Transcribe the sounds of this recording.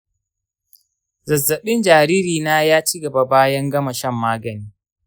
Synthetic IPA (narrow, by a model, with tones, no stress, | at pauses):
zɐ˨zːɐ˨ɓɪ˦nd͡ʒaː˨ɾiː˦ɾiː˨naː˦jaː˦t͡ʃi˦ɡɐ˨ba˨baː˦jɐ˦ŋɡɐ˦ma˨ʃɐ˦mːaː˦ɡɐ˨niː˦